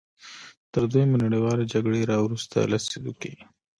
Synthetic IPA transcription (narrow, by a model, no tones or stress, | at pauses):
t̪əɾd̪ujmanaɽewɑled͡ʒaɡɽeɾɑwɾust̪a̰lased̪uke